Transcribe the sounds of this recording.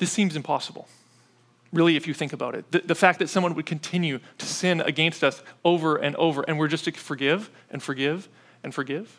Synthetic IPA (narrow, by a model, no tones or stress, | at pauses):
ðɪsĩmzɨ̃mpʰɑsəbl̩ˠ | ɹɪlˠiɨfjɨθɪ̃ŋkəbaʊɾɨ̰t̪̚ðɨðɨfæk̚ðɨtsʌ̃mwʌ̃nwɨd̚kʰɨ̃n̩tʰɪ̃njʉɾɨ̥sɪ̃nɨ̰ɡɛ̃nstʌsoʊvə˞ʔɨ̰̃nʔo̰ʊvə˞ʔɨ̃nwɨɹd͡ʒʌstʰɨfə˞ɡɪv | ʔɨ̃nfə˞ɡɪv | ɨ̃nfə˞ɡɪv̥